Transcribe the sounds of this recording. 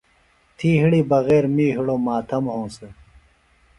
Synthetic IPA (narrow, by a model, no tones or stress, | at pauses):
t̪ʰiːɦiɽiːbɐɣeːɾmiːɦiɽomaːt̪ʰɐmɦõːse